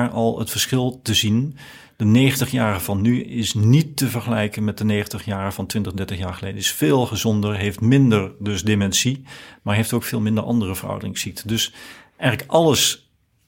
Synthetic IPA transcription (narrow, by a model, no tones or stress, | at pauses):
ɹɑlˠətfəɹsχɪlˠtəzin | d̥əneːχəntəχjaːɹəv̥ɑnːyɪsnitːəvəɹχəlɛjkənmɛt̚dəneːχəntəχjaːrəv̥ɑntʋɪntəχdɛɹtəχjaːɹχəlejdənɪsfɪːlˠχəzɔndəɹɦejftmɪndəɹdɵsdɪmɛnsimaːɹɦejftowkfɪːlˠmɪndəɹʔɑ̰ndərəvərʌ̰wdərɪŋsik̚tʰədɵs | ʔɛjχələkʔɑləs